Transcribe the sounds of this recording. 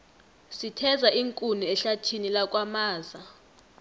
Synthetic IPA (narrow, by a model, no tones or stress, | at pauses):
sitʰɛzaʔiŋkʼuniɛɬatʰinilak̬ʼwamaːza